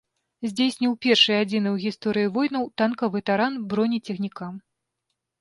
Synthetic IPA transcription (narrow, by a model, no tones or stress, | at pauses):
zʲd͡zʲesʲnʲɛwpʲɛrʂɨjad͡zʲinɨwɣʲist̪ɔɾɨjivɔjnɐwt̪ankɐvɨt̪aɾanbɾɔnʲit͡sʲɛxnʲikam